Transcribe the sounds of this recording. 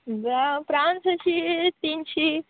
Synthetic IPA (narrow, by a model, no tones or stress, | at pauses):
bapɾansət͡ʃʰit̪int͡ʃʰi